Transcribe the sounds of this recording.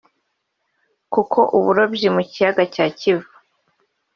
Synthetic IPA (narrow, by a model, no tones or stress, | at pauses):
kukʰo̞ʔuβuɾobjimucijaɡacaːcivḁ